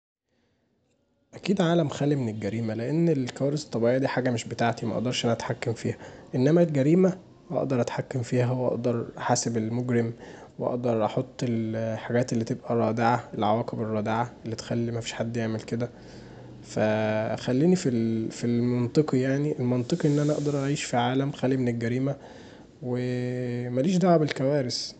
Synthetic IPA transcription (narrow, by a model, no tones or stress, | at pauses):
ʔækiːd̪ʕaːlæmxæːlimenelɡæɾiːmæleʔenːelkæwæːɾeset̪ˤːɑbiʕejæd̪iːħaːɡæmeʃbet̪aʕt̪imæʔɑ̰ʔd̪ˤɑɾˤʃʔænææt̪ħakːæmfiːhæʔenːæmælɡæɾiːmæ | ʔɑ̰ʔd̪ɑɾˤʔæt̪ħakːæmfiːhæwʔɑ̰ʔd̪ɑɾˤʔæħaːsebelmoɡɾemweʔɑ̰ʔd̪ɑɾˤʔɑħot̪ˤːelħaɡæːt̪elːit̪ebʔærˤːɑːd̪eʕaʔelʕawæːkeberˤːɑːd̪eʕaʔelːit̪xælːimæfiːʃħad̪ːjeʕmelked̪æ | fæxælːiːnifilfilmɑnt̪ˤɨqijaʕniʔelmɑnt̪ˤɨqiʔenːʔænæʔɑʔd̪ɑɾˤʔæʕiːʃfiʕaːlæmxæːlːimenelɡæɾiːmæ | wemæliːʃ̬d̪aʕabelkæwæːɾes